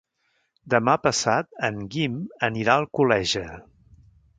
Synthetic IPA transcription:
d̪əmapəsat̪̚əŋɡiməniɾaəlˠkulɛʒə

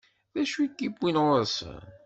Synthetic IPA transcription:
ðæʃikːibwinʁəs

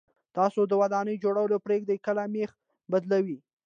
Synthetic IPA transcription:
t̪ɑsod̪əwad̪ɑnəjd͡ʒoɽawəlopɾeɡ̚d̪ajkəlamex | bad̪lawi

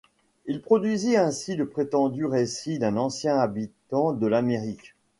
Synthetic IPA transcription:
ilpχɔd̪ɥiziɛ̃siləpχet̪ɑ̃d̪yʁesid̪ɛ̃nɑ̃sjɛ̃abit̪ɑ̃d̪əlameʁik

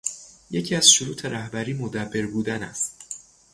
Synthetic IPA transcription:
je̞cʰiːæz̥ʃoɾuːt̪ʰe̞ɾæhbæɾiːmod̪æbːeɾbuːd̪ænæ̰st̪

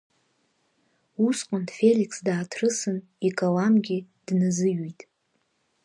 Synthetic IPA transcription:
usqʷʼʊndfelikʰsdaːtʰrɨsɨn | ikʼalamɡʲɪ | d̥nɨzɨɥitʼ

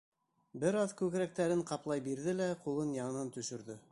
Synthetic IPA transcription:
bɘɾɑðkʉkɾæk̚t̪æɾɘɴqɑplˠɑjbiɾðɘlæqulˠɤnjɑɴɤ̆nɑnt̪ɵ̆ʃɵ̆ɾðɵ

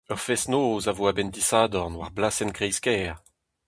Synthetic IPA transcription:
œʁfɛsnoːzavoabɛnd̪isaːd̪ɔʁnwa̰ʁblasɛnkʁɛjskɛːʁ

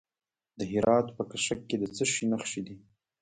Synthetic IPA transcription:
d̪əɦɪɾɑt̪pəkaʃakːed̪ət͡səʃinaxʃid̪i

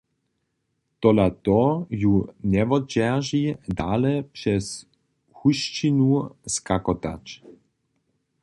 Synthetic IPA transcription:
t̪ɔlat̪ɔjunɛvɔd͡ʑɛʒid̪alɛpʂɛs | xuʃt͡ʃinuskakɔt̪a̰t͡ʃ

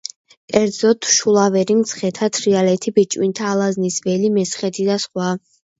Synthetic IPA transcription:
kʼɛɾd̪zɔt̪ʰʃulˠavɛɾimt̪sʰχɛt̪ʰat̪ʰɾialɛt̪ʰibit͡ʃʼwint̪ʰaːlˠaznisvɛlimɛsχɛt̪ʰid̪asχwa

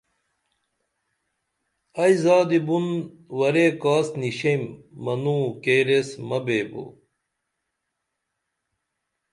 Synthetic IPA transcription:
ɐjzaːd̪ibun | wɐɾekaːsniɕemːɐnũːkeːɾesmɐbeːbo̰

